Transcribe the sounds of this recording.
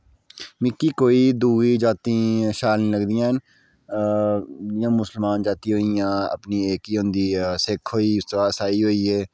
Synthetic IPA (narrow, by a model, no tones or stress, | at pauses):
mɪkːiːkoːid̪uːɡid͡ʒaːt̪ĩʃaːlnĩːləɡd̪ijãːɦn | jãːmʊsəlmaːnd͡ʒaːt̪ĩɦoːijãːə̰pnieːkiɦõnd̪iːsekʰɦoːiʊst̪ɾaːsaːiɦoːiɦeː